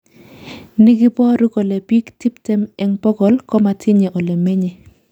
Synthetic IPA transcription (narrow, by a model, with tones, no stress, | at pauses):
nɪ˦ɡɪ˦pɔ˦ɾu˦ko˨le˨pi˦kti˦ptɛ˦mpɛ˦ŋpɔ˦ɡɔ˨lkɔ˦ma˨tʰɪ˦ɲe˨ʔo˨le˨me˦ɲe˨